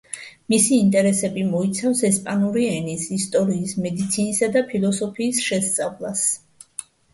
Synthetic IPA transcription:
misiːnt̪ʼɛɾɛsɛbimɔit̪sʰafsɛspʼanuɾiɛnisist̪ʼɔɾiːsmɛd̪it̪sʰinisad̪apʰilˠɔsɔpʰiːsʃɛst̪sʼavlˠas

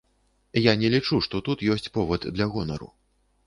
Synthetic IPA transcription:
janʲɛlʲit͡ʂuʂt̪ɔt̪ut̪jɔsʲt͡sʲpɔvɐd̪d̪lʲɐɣɔnɐɾṵ

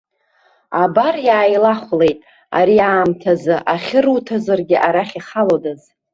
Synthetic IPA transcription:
abarjaːjlaχʷle̞jtʼ | a̰ɾiaːmtʰazɨʔaχʲɪrutʰazarɡʲɪʔaɾaχʲiχalodaz

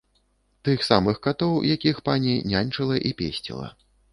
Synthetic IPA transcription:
t̪ɨxsamɨxkat̪ɔwjakʲixpanʲinʲanʲt͡ʂɨlˠɐʔipʲesʲt͡sʲḭlˠɐ̰

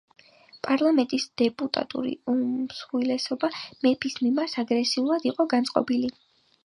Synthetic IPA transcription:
pʼaɾlˠamɛnt̪ʼisd̪̥ɛpʼut̪ʼa̰t̪ʼṵɾḭusχwilɛsɔbamɛpʰismimaɾsaɡɾɛsiulˠad̪iqʼɔɡant̪sʼqʼɔ̰bili

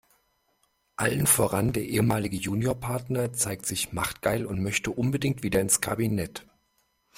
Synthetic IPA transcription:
ʔalənfoːʁandeːɐʔeːəmaːlɪɡəjuːnjoːɐpʰaɐtnɐt͡saɪk̚tz̥ɪçmaχtɡ̥aɪlʊntmœçtəʔʊnbədɪŋtv̥iːdɐɪnskʰabinɛt

